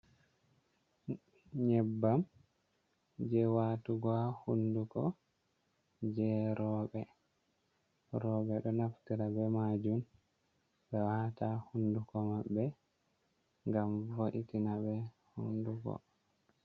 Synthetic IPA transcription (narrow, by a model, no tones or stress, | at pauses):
ɲɛbːam | d͡ʒɛwatuɡɔahundukɔ̰ | d͡ʒɛɾɔɓɛ | ɾɔɓɛɗɔnaftiɾabɛmad͡ʒum | ɓɛwatahundukɔmaɓːɛ | ŋɡamvoɗitinabɛ | hunduɡɔ̰